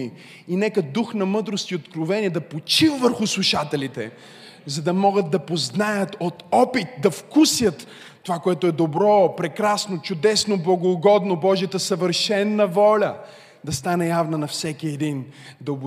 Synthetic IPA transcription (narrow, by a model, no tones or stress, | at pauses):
i | inɛkəd̪uxnɐmɤd̪ɾost̪iot̪kɾovɛniɛd̪ɐpot͡ʃivvəɾxʊslˠuʃat̪ɛlit̪ɛ̰ | zɐd̪ɐmɔɡət̪̚d̪ːɐpoznajət̪ot̪ɔpit̪̚d̪ɐfkusjət̪ː | ovakoɛt̪ʊɛd̪obɾɔpɾɛkɾasnot͡ʃʊd̪ɛsnoblˠɐɡoːɡɔd̪nobɔʒijət̪əsɐvəɾʃɛnːəvɔlʲə | d̪ɐst̪anɛjavnɐnɐfsɛkiɛd̪ind̪ɐbʊ